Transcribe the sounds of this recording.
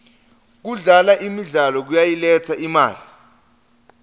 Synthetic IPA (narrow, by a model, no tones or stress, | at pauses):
k̬uɮalaʔimiɮalɔk̬ujajilɛt͡sʰaʔima̰ːɮi